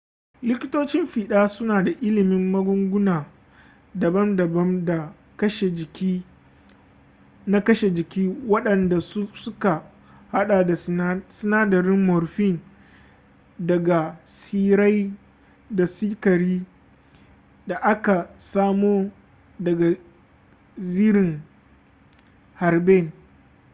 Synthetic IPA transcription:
lɪ˦kʲɪ˦toː˦t͡ʃɪ˦mɸiː˨ɗaː˦sʊ˦naː˨da˨ʔɪ˦lɪ˨mɪ˦mːɐ˦ɡʷʊ˦ŋɡʷʊ˦naː˨ | dɐ˨bɐ˦mdɐ˨bɐ˦mda˨ | kɐ˦ʃe˨d͡ʒɪ˨kʲi˦ | na˦kɐ˦ʃe˨d͡ʒɪ˨kʲiː˦wɐ˦ɗɐ˨nda˨˦sʊ˦ka˨ | ha˦ɗaː˨da˨˦sɪ˦naː˦dɐ˨ɾɪ˦mːɔ˨ɾɸɪ˦˨n | dɐ˨ɡa˨siː˦ɾa˦j | da˨siː˦kɐ˨ɾiː˦ | da˨ʔa˦ka˨saː˦moː˦ | dɐ˨ɡa˨ | ziː˦ɾɪ˨ŋ | ha˨ɾbe˦˨n

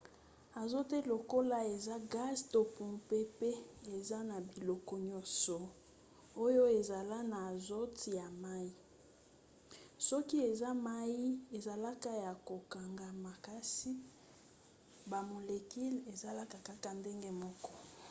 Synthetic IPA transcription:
a˨zo˦te˦lo˨ko˦la˦e˨za˦ɡa˦zto˨pu˨mpe˦pe˦e˨za˦na˨bi˨lɔ˨kɔ˨ɲɔ˦sɔ˨ | o˦jo˦e˨za˨la˦na˨zo˦ti˨ja˨ma˦ji˦ | sɔ˦ki˦e˨za˦ma˦ji˦e˨za˨la˦ka˦ja˨ko˨ka˨ŋɡa˨ma˨ka˦si˦ | ba˨mo˨le˨ki˦le˨za˨la˦ka˨ka˦ka˨nde˦ŋɡe˦mɔ˦kɔ˦

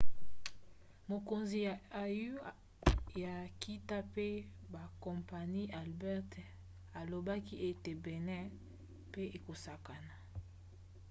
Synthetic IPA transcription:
mo˨ko˨nzi˨a˨ju˦ | ja˨ki˦ta˦pe˦ba˨kɔ˨mpa˨ni˦ʔa˨lbɛ˦ʁt | a˨lo˨ba˦ki˦ʔe˦te˨bɛ˨nɛ˦ | pe˦e˨ko˨sa˨ka˨na˨

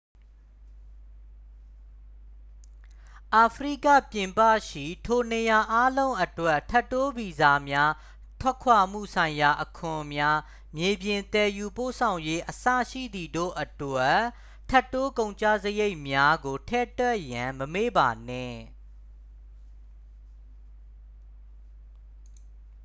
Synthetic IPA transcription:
ʔa˨pʰəɹḭ˦˨kä̰˦˨pjɪ̃˨mpä̰˦˨ʃḭ˦˨tʰo˨ne˨ja˨ʔa˦lõ˦ʊ̃ʔə˨twɛ˦ʔtʰɛ˦tːo˦bi˨za˨mja˦ | tʰwɛ˦kʰwa˨m̥ṵ˦˨sʰã˨ɪ̃ja˨ʔəkʰʊ̃˨mja˦ | mje˨bjɪ̃˨nt̪ɛ˨ju˨po̰˦˨sʰã˨ʊ̃je˦ʔəsä̰˦˨ʃḭ˦˨d̪i˨do̰˦˨ʔətwɛ˦ | tʰːɛ˦tːo˦kõ˨ʊ̃ɲt͡ɕa̰˦˨zəje˦ɪʔmja˦ɡo˨tʰɛ̰˦˨twɛ˦˨ʔjã˨məme˦˨ba˨nɪ̰̃˦˨

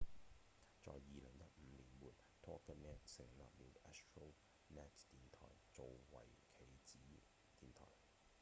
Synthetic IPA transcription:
t͡sɔ̰ː˨jːiː˨lɪ˨˩ŋjɐ˥t̚m̩˨˧˦liː˨˩nmuː˨˩n | t̪ʰɔː˥kːɐ˥nɛː˦˥t̚sɪ˨˩ŋla̰ː˨p̚liː˨˧wɛ˥stɹo˥w | nɛ˦˥tt̪iː˨nt̪ʰɔ̰ː˨˩jt͡so˨wwɐ̰˨˩jkʰe˨˩jt͡siː˨˥ | t̪iː˨nt̪ʰɔ̰ː˨˩j

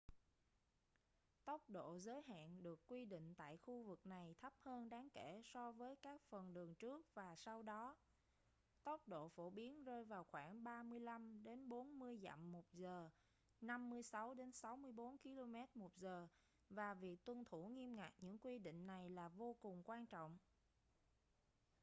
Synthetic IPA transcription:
t̪ə˦˥wk͡p̚ɗo̰˧˨zəː˨˦jɦa̰ː˧˨nɗɨ˨˩əkːwi˧ɗḭ˧˨ŋ̟t̪a̰ː˧˨jxu˧vɨ˨˩k̚na˨˩jt̪ʰə˦˥p̚həː˧nɗaː˨˦ŋke˧˩sɔ˧vəː˨˦jkaː˦˥k̚fə˨˩nɗɨ˨˩əŋt͡ɕɨ˦˥ək̚vaː˨˩sa˧wɗɔ˨˦ | t̪ə˦˥wk͡p̚ɗo̰˧˨fo˧˩ɓi˨˦ənzəː˧jvaː˨˩wxwaː˧˩ŋɓaː˧mɨ˧əjla˧mɗe˨˦nɓo˨˦nmɨ˧əjza̰˧˨mːo˨˩t̚zəː˨˩ | na˧mːɨ˧əjsa˨˦wɗe˨˦nsa˨˦wmɨ˧əjɓo˨˦nki˧lo˧mɛ˦˥t̚mo˨˩t̚zəː˨˩ | vaː˨˩vi˨˩ək̚t̪wə˧˩nt̪ʰu˧˩ŋi˧əmŋa˨˩k̚ɲɨ̰˧˥ŋkwi˧ɗḭ˧˨ŋ̟na˨˩jlaː˨˩vo˧kʊ˨˩ŋ͡mkwaː˧nt͡ɕɔ̰˧˨wŋ͡m

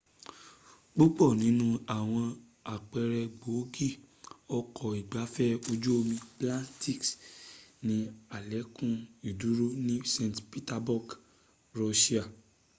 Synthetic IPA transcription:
ɡ͡bo˦ɡ͡bɔ˦˨nĩ˨˦nũ˦a˨w̃ɔ̃˧ | a˨k͡pɛ˧ɾɛ˧ɡ͡bo˨˦ɡi˦˨ | ɔ˧kʰɔ˨i˨ɡ͡ba˨˦fɛ˦o˧d͡ʒo˦o˧mĩ˧plã˦ti˦˨ks | nĩ˨˧a˨lɛ˨˦kũ˦i˨du˨˦ɾo˦nĩ˦sẽ˧˨tpi˦ta˧bɔ˦˨ɡ | ɾo˧ʃi˦a˦˨

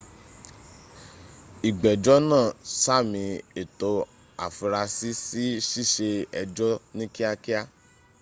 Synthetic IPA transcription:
i˨ɡ͡bɛ˨d͡ʒɔ˦nãː˦˨sa˦˨mĩ˧e˨to˧ | a̰˨fu˧ɾa˧si˦si˦ʃi˦˨ʃe˧ɛ˧d͡ʒɔ˦nĩ˦ki˦a˧ki˦a˦

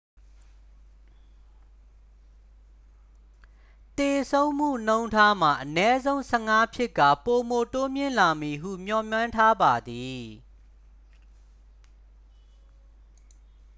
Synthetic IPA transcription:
t̪e˨sʰõ˦ʊ̃m̥ṵ˦˨n̥õ˦ʊ̃ntʰa˦m̥a˨ʔənɛ˦zõ˦ʊ̃sʰɛ˦˨ŋa˦pʰjɪ˦ʔka̰˦˨po˨mo˨to˦mjɪ̰̃˦˨la˨mi˨ɦṵ˦˨m̥jɔ˨mjã˦ntʰa˦ba˨d̪i˨

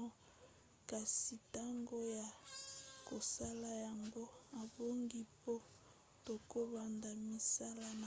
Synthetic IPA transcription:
ka˨si˨ta˦ŋɡo˦ja˨ko˨sa˦la˦ja˨ŋɡo˦a˨bo˦ŋɡi˦po˦ | to˨ko˦ba˨nda˨mi˨sa˦la˦na˨

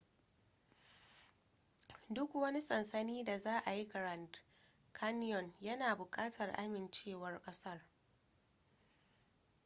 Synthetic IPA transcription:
dʊ˦kwɐ˦ni˦sʼɐ˨nsɐ˦niː˦da˨zaː˦ʔa˨ji˦kɐ˨ɾa˨nd | kʰa˦n˦jɔ˨njɐ˦naː˨bʊ˨kʼaː˦tʰɐ˨rʔa̰˦mɪ˨nt͡ʃeː˦˨wɐ˦rkʼɐ˦sɐ˦r

